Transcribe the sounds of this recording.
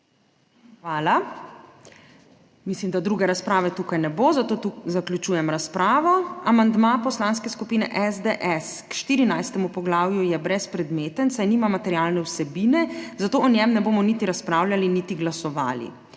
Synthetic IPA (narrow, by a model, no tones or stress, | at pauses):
xʋaːla | mislimd̪ad̪ɾuɡɛɾaspɾaːʋɛt̪ukajnɛboːzat̪oːt̪uzaklʲut͡ʃuːjɛmɾaspɾaːʋɔamand̪mapɔslanskɛskupiːnɛʔɛzd̪eʔɛskʃt̪iːɾinajst̪ɛmupɔɡlaːwjujɛbɾɛspɾɛd̪meːt̪ənsajniːmamat̪ɛɾjalnɛwsɛbiːnɛzat̪oːɔnjɛmnɛboːmɔnit̪iɾaspɾawlʲaliniːt̪iɡlasɔʋa̰ːlḭ